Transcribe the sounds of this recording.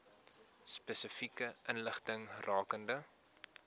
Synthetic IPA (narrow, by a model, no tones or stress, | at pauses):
spəsəfikəənləχtəŋrʔɑːkəndə